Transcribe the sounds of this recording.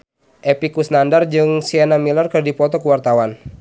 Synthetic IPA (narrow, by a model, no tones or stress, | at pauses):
ʔepikusnandard͡ʒɨŋsianamilərkɨrdipɔt̪ɔkuwart̪awan